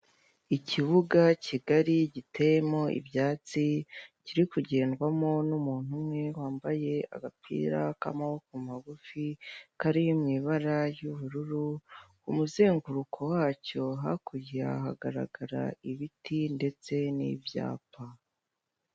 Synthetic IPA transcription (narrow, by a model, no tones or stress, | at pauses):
icʰiβuɡacʰiɡaɾiɟitʰe̞jemo̞ʔḭbjaːt͡siciɾikuɟe̞ːnɡwamo̞numuːn̥humŋe̞waːmbaje̞a̰ɡapʰḭːɾaka̰mawokumaɡufikaɾijimŋiβaɾajuβuɾuɾu | umuze̞ːŋɡuɾukʰo̞waːco̞ɦa̰kuiaɦaɡaɾa̰ɡaɾa̰iβitinde̞t͡se̞nḭvja̰ːpa